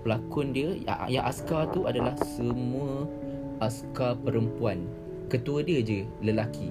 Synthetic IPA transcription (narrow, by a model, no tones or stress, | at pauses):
pəlakʊndiəa̰ja̰ŋʔa̰skat̪uʔadalahsəmũə | ʔaskapəɾəmpuan | kət̪uadiəd͡ʒə | ləlakʰi